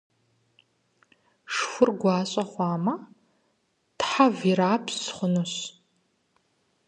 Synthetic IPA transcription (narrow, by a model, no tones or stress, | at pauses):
ʂxʷʊrɡʷɑːɕʼɐχʷɑːmɐ | tħaviɾaːpʰsχʷʊnoɕ